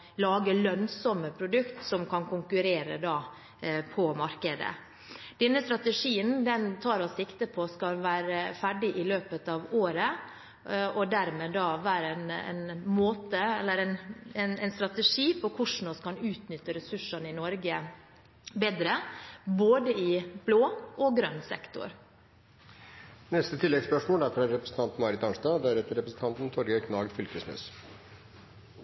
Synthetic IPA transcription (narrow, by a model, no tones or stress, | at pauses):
lɑːɡəlœnsɔməpʰɾʊd̪ʉkt̪sɔmkʰɑnkʊŋkʉɾeːɾə̰d̪ɑː | pʰɔmɑɾkəd̪ə̰ | d̪̥ɛnːəst̪ɾɑt̪əʂiːənd̪ɛnt̪ʰɑːɾɔsɪkt̪əpʰɔskɑlʋæːɾəfæɖɪʔɪløːpət̪ɑːʋoːɾə | ʔɔd̪æɾmeːd̪ɑːʋæːɾəɛnɛ̰nmoːt̪əɛlːəɾɛnɛnɛɪnst̪ɾɑt̪əʂiːpʰɔkʰʊʂɳ̩ɔskɑnʉːt̪nʏt̪ːəɾɛsʉʂɑnɪnɔɾɡə | beːd̪ɾəboːd̪əɪb̥loːʔɔɡɾœnsɛ̰kt̪ʊ̰ɾ | nɛst̪ət̪ʰɪlːɛɡspœʂmoːlæɾfɔɾæɾɾɛpɾəsn̩t̪ɑnt̪n̩mɑɾɪt̪ɑnsd̪ɑd̪æɾɛt̪əɾɛpɾəsn̩t̪ʰɑnt̪n̩t̪ʰɔɾɡəkʰnɑːɡ̪fʏlkəsmœ̰s